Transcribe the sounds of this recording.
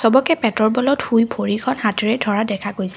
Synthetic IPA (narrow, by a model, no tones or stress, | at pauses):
sɔbɔkɛpɛtɔɹbɔlɔtxujbʰʱoɹikʰɔnhatiɹɛdʱɔɹadɛkʰakojsɛ̥